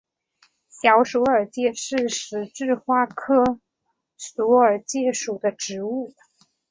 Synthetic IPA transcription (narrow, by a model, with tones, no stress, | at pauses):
ɕjɑ˧˥ʊʂu˧˥ə˞˨˩t͡ɕjɛ˥˩ʂɻ̩˥˩ʂɻ̩˧˥ʈ͡ʂɻ̩˥˧xwa˥kʰɤ˥ | su˧˥ə˞˨˩t͡ɕjɛ˥˩ʂu˨˩d̪ə˦ʈ͡ʂɻ̩˧˥u˥˩